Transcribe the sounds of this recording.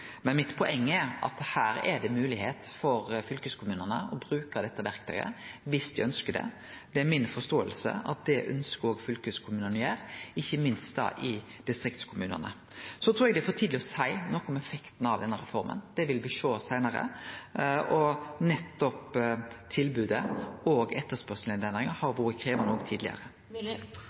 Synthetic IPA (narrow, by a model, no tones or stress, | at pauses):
mɛnmɪt̪pʰɔʔɛŋːɛɾɑ̰t̪hæːɾɛd̪ɛmʉːlɪheːt̪fɔɾfʏlkəskʰʊmʉːnənəɔbɾʉːkəd̪ɛt̪ːəʋæɾkt̪ʰœ̰ʏə̰ʋɪsd̪ɪœnskəd̪ɛ̰ | d̪ɛæɾmɪnfɔst̪oːəlsə̰ɑ̰t̪̚d̪ɛʔœ̰nskəoːɡfʏlkəskʰʊmʉːnənɪjæːɾɪçːəmɪnst̪̚d̪ɑ̰ːʔɪ | d̪̥ɪst̪ɾɪkt̪skʰʊmʉːnə̰nə | sɔt̪ʰɾuːɛɡd̪ɛæfɔt̪ʰiːd̪lɪɔsæɪnɔkːɔmɛfɛkt̪n̩ɑʋd̪ɛnːəɾʁɛfɔɾmə̰nd̪̥ɛʋɪlʋɪʂoːsæɪnəɾə̰ | ɔnɛt̪ːɔpt̪ʰɪlbʉːd̪əɔɡɛt̪ːəspœʁsl̩ɪnd̪ɛnd̪ʁɪŋəhɑɾʋuːɾəkʰɾeːʋɑnoːkt̪ʰiːd̪lɪ̰ə̰ɾə